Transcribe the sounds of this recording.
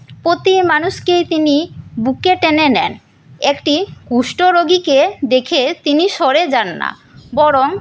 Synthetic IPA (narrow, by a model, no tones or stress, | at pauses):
pɾot̪imanuʃkejt̪inibukeʈenenɛn | ekʈikuʃʈoɾoɡiked̪ekʰet̪iniʃɔɾed͡ʑanːa̰ | bɔɾoŋ